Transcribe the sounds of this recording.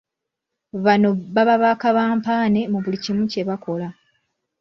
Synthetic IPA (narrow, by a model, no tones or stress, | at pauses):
βano̞βaβaβaːkaβaːmpaːne̞muβulicimuce̞βako̞la